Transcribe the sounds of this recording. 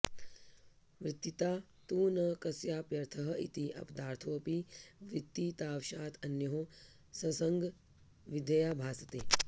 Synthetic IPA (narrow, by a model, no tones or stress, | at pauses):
ʋɾɪt̪ːit̪aː | t̪uːnɐkɐsjaːpjɐɾt̪ʰɐɦɐḭt̪iʔɐ̰pd̪aːɾt̪ʰoːpiʋɾit̪ːit̪aːwʃaːt̪ʰɐnjɐɦoː | sɐsɐŋɡ | ʋid̪ɐjaːbʱaːsɐt̪eː